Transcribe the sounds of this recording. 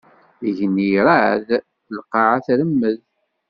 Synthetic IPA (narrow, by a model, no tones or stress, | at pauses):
iʝənːiɾað | lqːɑʕaθɾəmːəð